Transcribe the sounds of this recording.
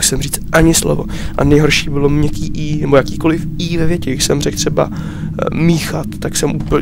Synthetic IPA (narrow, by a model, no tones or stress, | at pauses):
xsɛmriːt͡st̪ʔaɲɪslo̰vo̞̰ʔa̰nɛjɦo̞ɾʃiːbɪlo̞mɲɛkiːʔiːnɛbojakiːko̞lɪfiːvɛvjɛcɛɡɡɪʃsɛmrɛk̚t̪r̝̥ɛba̰ | miːxat̪ːaksɛmʔuːp